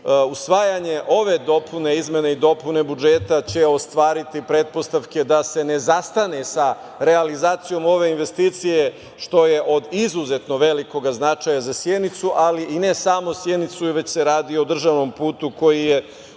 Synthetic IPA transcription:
usʋaːjaɲe̞ʔo̞ʋe̞d̪o̞pʰune̞izmʲje̞ne̞id̪o̞pune̞bud͡ʒe̞t̪at͡ɕe̞o̞st̪ʋaːɾit̪ipɾe̞t̪̚po̞st̪aʋke̞d̪ase̞ne̞zast̪ane̞sa | ɾe̞alizaːt̪sijo̞mo̞ʋe̞inʋe̞st̪iːt̪sije̞ | ʃt̪o̞je̞ʔo̞d̪izuzet̪no̞ʋe̞liko̞ɡaznat͡ʃajazasjed̪nit̪suʔaliʔine̞samosje̞d̪nit̪suʋe̞t͡ɕse̞ɾaːd̪io̞d̪r̩ʒaʋno̞mpuːt̪uko̞jije̞

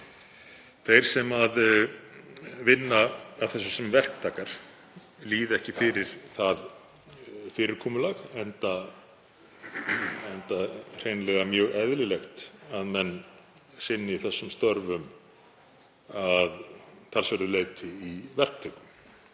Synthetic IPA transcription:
θejɾ̥sɛmað | vɪnːaːvθɛsːʏsɛmvɛr̥k̚t̪ʰaːkaɾ̥ | liːðɛhcɪfɪːɾɪɾ̥θað | fɪːɾɪɾ̥kʰɔːmʏlaɣɛnt̪a | ɛnt̪ar̥ejnlɛɣamjœːɣɛðlɪlɛxt̪aðmɛnː | sɪnːɪiθɛsːʏmst̪œɾvʏm | aðt̪ʰalsvɛɾðʏleːjt̪ɪivɛr̥k̚t̪ʰœkʏm

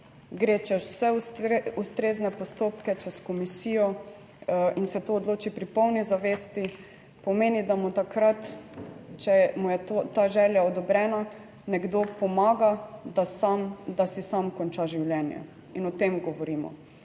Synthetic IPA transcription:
ɡɾeːt͡ʃɛsɛuust̪ɾeːznɛpɔst̪oːpkɛt͡ʃɛskɔmisiːjɔ | insɛt̪oːd̪loːt͡ʃipɾipɔwnizaʋeːst̪i | pɔmeːnid̪amut̪akɾat̪ | t͡ʃɛmujɛt̪t̪aʒɛːljaɔd̪ɔbɾɛːna | nɛɡd̪opɔmaːɡad̪asamd̪asisamkɔnt͡ʃaʒiwljɛnjɛ̰ | inɔt̪emɡɔʋɔɾiːmɔ̰

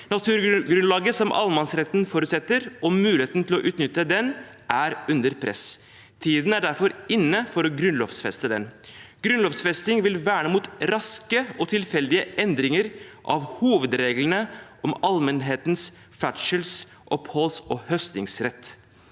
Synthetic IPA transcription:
nɑt̪ʰʉːɾɡɾʉnlɑːɡəsɔmʔɑ̰lmɑnsɾɛt̪nfɔɾʉːt̪sɛt̪ːəɾʔɔmʉːlɪeːt̪n̩t̪ʰɪlɔʔʉːt̪nʏt̪ːəd̪ɛn | ʔæɾʉnd̪əɾpʰɾʔɛ̰s | t̪ʰiːd̪n̩æɖæɾfɔɾɪnːəfɔɾɔɡɾʉnlɔʋsfɛst̪əd̪ɛ̰nɡ̥ɾʉnlɔfsfɛst̪ɪŋʋɪlʋæːɳəmuːt̪ɾɑskəɔt̪ʰɪlfɛld̪ɪəʔɛnd̪ɾɪŋəɾʔɑ̰ʋhuːʋəd̪ɾeːɡlənəʔɔmɑlmənɦeːt̪ns | fæʃəls | ʔɔphɔlsɔhœst̪ɪŋsɾɛt̪ː

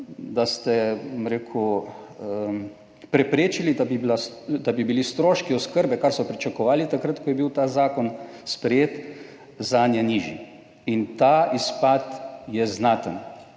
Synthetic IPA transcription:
d̪ast̪ɛbomɾeːkʰu | pɾɛpɾeːt͡ʃilid̪abilad̪abibilist̪ɾoːʃkiɔskəɾbɛkaɾsɔpɾit͡ʃakɔʋaːlit̪akɾat̪kɔjɛbiwt̪aːzaːkɔnspɾɛjeːt̪ | zanjɛniːʒḭ | int̪aispaːt̪jɛznaːt̪ən

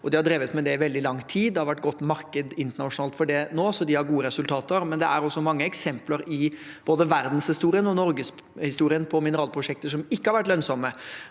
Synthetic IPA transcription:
ɔd̪ɪhɑɖɾeːʋət̪mɛd̪ɛʋɛld̪ɪlɑŋt̪ʰiːd̪d̪ɛhɑɾʋæʈːɡɔt̪ːmɑɾkəd̪ɪnt̪əɳɑʂʊnɑːlt̪fɔɖɛnoːsɔd̪ɪhɑɾɡuːəɾɛsʉlt̪ʰɑːt̪əɾmɛnd̪ɛæɾɔsːɔmɑŋːəɛksɛmpləɾɪb̥oːd̪əʋæɾd̪n̩shɪst̪uːɾɪənɔnɔɾɡəs | hɪst̪uːɾɪənpʰɔmɪnəɾɑːlpʰɾʊʂɛk̚t̪əʂɔmɪkːəhɑɾʋæʈːlœnsɔmːə

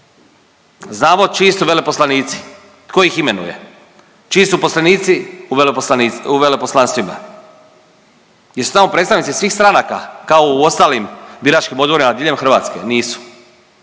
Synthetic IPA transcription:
znaːmot͡ʃist̪uʋe̞le̞poslaniːt̪si̥ | t̪koixime̞nṵje̞̰ | t͡ʃiisuposlaniːt̪si | uʋeleposlˠanst̪ʋima̰ | jesu̥t̪amo̞pɾet̪sanit̪sisʋiːxst̪ɾanaka̰kaouo̞st̪aːlimbiɾat͡ʃkimo̞d̪boɾimaad̪iʎemxr̩ʋa̰t̪ske̞̰niːsu̥

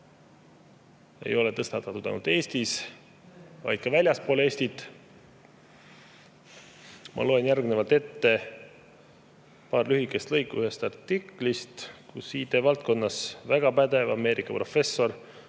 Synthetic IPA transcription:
e̞̰jo̞let̪ɤst̪ɑt̪ːˑɑt̪ud̪ɑ̰jnult̪e̞ːst̪is | vɑ̰jd̪̥̚kɑvælʲjɑspole̞ːsʲt̪it̪ːˑ | mʔɑ̰lo̞enjærɡnevɑlt̪e̞t̪ːe̞ | pɑːrlyɦikːˑe̞st̪lɤjkːuyhe̞st̪ɑrt̪ːikˑlist̪kusiːt̪e̞vɑlt̪̚ko̞nːɑsvæɡ̥ɑpæd̪e̞vɑ̰me̞ːɾʔikːˑɑpro̞fe̞sːo̞r

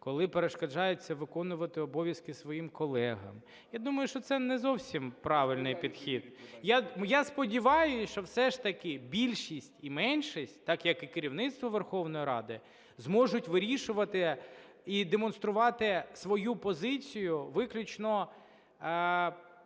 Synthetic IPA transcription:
kɔlˠɪpeɾeʃkɐd͡ʒɑjʊt͡sʲːɐʋɪkɔnʊʋɐt̪ɪɔbɔʋʲjɐskɪsʋɔjimkɔlˠɛɦɐ̰m | jad̪umɐjʊʃt͡ʃɔt̪sɛnɛzɔwsʲimpɾɑʋɪlʲnɪjpʲid̪xʲid̪̥jajaspɔdʲiʋɑjʊʃt͡ʃɔwsɛʃt̪ɐkɪbʲilʲʃisʲtʲimɛnʲʃisʲtʲt̪ɑkjɐkɪkɪɾʲiwnɪt̪st̪ʋɐʋerxɔwnɔjiɾɑ̰d̪ɪ | zmɔʒʊtʲʋɪɾʲiʃʊʋɐt̪ɪ | id̪emɔn̪st̪ɾʊʋɑt̪ɪsʋɔjupɔzɪt͡sʲijʊʋɪklʲʊt͡ʃnɔ

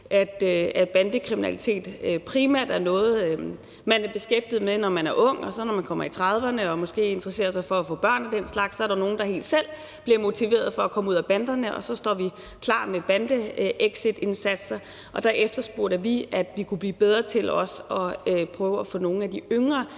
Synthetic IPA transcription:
ʔæd̥æ̥b̥ænd̥əkʰʁiminæ̰lit͡sʰe̝̰ːd̥pʰʁimæ̰ɐ̰d̥æɐnɔ̽ːð̞̩ˠ | mænæɐb̥e̝sɡ̥efd̥ið̩ˠmed̥enɒmænæɐʔɔ̽ŋ̰ɒ̽sɒ̽nɒmænkʰɒ̽m̰ɐit͡sʰʁɑð̞ˠʋɐnəɒ̽mɒ̽sɡ̥e̝̰ːe̝nd̥ʁɐse̝̰ːɐsɑ̈ɪfɒ̽æfɔ̰̽ːb̥ɶɐ̰næd̥en̰slɑ̈ɡ̥sːɒ̽æɐɾɑno̝ːn̩d̥ɑ̈he̝̰ːld̥sel̰ | b̥liɐmo̝t͡sʰiʋe̝̰ːɐð̞̩ˠfɒ̽ækʰɒ̽məuð̰ˠæb̥ænd̥ɐnəʔɒ̽sɒ̽sd̥ɒ̰ːʋi | kʰlɑ̰̈ːmeb̥ænd̥əʔeɡ̥sid̥e̝nsæd̥sɐ | ʔɒ̽d̥æɐʔefd̥ɐsb̥o̝ɐ̰ɾ̥əʋiæd̥ʋikʰub̥lḭːb̥eð̞ˠʁɐt͡sʰe̝lɒ̽sɒ̽pʰʁœːʊəæfɔ̰ːno̝ːn̩æd̥iøŋʁɐ

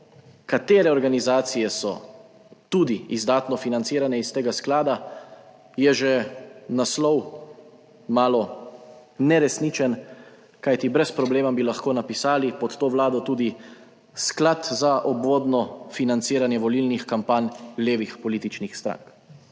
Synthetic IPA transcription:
kat̪eːɾɛɔɾɡanizaːt̪sijɛsɔ̰ | t̪uːd̪iizd̪aːt̪nɔfinant̪siːɾanɛist̪eːɡasklaːd̪a | jɛʒenaslɔw | maːlɔ | nɛɾɛsnit͡ʃɛn | kajt̪ibɾɛspɾɔbleːmabilaxkoːnapisaːlipɔt̪t̪oːʋlaːd̪ɔt̪uːd̪i | sklat̪zaʔɔbʋoːd̪nɔfinant̪siːɾanjɛʋɔlilnixkampaːnʲleːʋixpɔliːt̪it͡ʃnixst̪ɾa̰ŋk

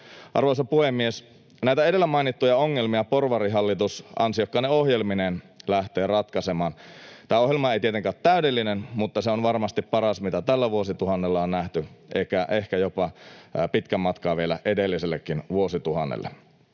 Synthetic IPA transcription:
ʔɑ̰rʋoisɑpuhemːies | næit̪æe̞de̞lːæmɑinit̪ːujɑoŋːelmiɑporʋɑriɦɑlːit̪usɑ̰nsijokːɑneohjelminen | læht̪eːrɑt̪kɑsemɑːnt̪æːohjelmɑejt̪iet̪eŋkæot̪tæydelːinenmut̪ːɑseonʋɑrmɑst̪ippɑrɑsmit̪æt̪ælːæʋuosit̪uhɑnːelːɑonnæht̪yʔeikæʔehkæjopɑpit̪kæmɑt̪kɑːʋielæ̰ʔedelːiselːekːinʋuosit̪uhɑnːḛlːḛ

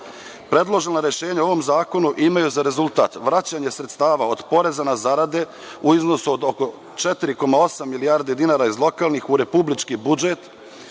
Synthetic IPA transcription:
pɾe̞d̪lˠo̞ʒenaɾe̞ʃe̞ːɲao̞ʋo̞mzaːko̞nuʔimajuzaɾe̞zulˠt̪a̰ːt̪ʋɾat͡ɕaɲe̞sɾet̪st̪aːʋao̞d̪po̞ɾe̞zanazaɾad̪e̞ | uizno̞suo̞d̪oko̞ | t͡ʃet̪iɾiko̞mao̞samːilijaːɾd̪e̞d̪inaːɾaizlˠo̞kaːlnixuɾe̞publit͡ʃkibud͡ʒe̞t̪

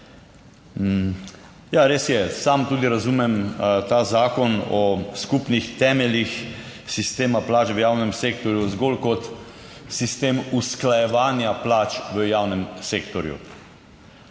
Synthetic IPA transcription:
jaɾeːsjɛsamt̪uːd̪iɾazumɛmt̪aːzaːkɔnɔskupnixt̪ɛːmɛlixsist̪eːmaplaːt͡ʃʋəjaːwnɛmseːkt̪ɔɾjuzɡolkɔt̪ | sist̪eːmusklajɛʋaːnjaplaːt͡ʃʋəjaːwnɛmseːkt̪ɔɾjṵ

